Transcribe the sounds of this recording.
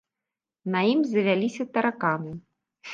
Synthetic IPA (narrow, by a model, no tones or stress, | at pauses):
nɐjimzɐvʲalʲisʲɐt̪ɐɾakanɨ